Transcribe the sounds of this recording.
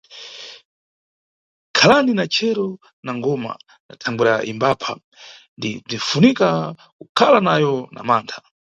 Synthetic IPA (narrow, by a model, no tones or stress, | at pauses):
kʰalaninat͡ʃʰɛɾɔ | naŋɡɔma̰ | na̰tʰaŋɡuɾaʔḭmbapʰa | ndib͡ʐinfunika | kukʰalanajɔna̰maːntʰḁ